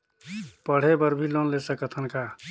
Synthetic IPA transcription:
pəɽ̤ebəɾbʱilonlesəkət̪ʰənka

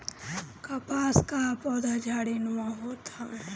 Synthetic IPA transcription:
kapaːskapɔːd̪ʱad͡ʒʱaːɽinuaɦot̪a

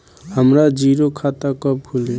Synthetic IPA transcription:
ɦəmɾad͡ʒiɾokʰat̪akʌp̚kʰule

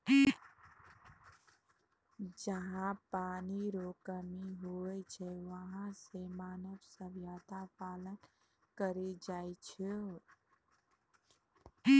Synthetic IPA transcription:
d͡ʒəɦãpaniɾokəmiɦoɛt͡ʃʰɛʋəɦãsemaːnəbsəʋjaːt̪apalən | kəɾed͡ʒajt͡ʃʰe

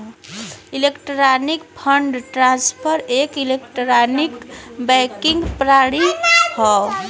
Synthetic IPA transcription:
ilekʈɾanikpʰəɳɖʈɾãnspʰəɾekilekʈɾanikbɛjkĩŋɡpɾaɽihɔ

